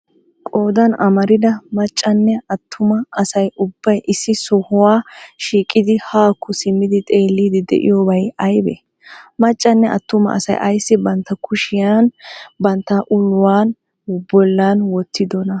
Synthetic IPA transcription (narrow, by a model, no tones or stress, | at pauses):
kʼo̞ːd̪ɐnɐmɐɾɪd̪ɐmɐt͡ʃʼːɐnːɛɐt̪ʰːʊmɐɐsɐjʊbːɐjʔɪsːɪsɔhʊwaːʃiːkʼːɪd̪ɪhaːkːʊsɪmːɪd̪ɪt̪ʼe̞ːlːiːd̪ɪd̪ɛ̰ʔɪ̰joːbɐjɐjbɛ̰ | mɐt͡ʃʼːɐnːɛʔɐ̰t̪ːʊmɐ̰ɐ̰sɐ̰jʔɐjsːɪbɐnt̪ːɐkʊʃɪjanbɐnt̪ːɐʔʊlːʊwaːn | bɔlːanwɔt̪ʰːɪd̪ɔnɐ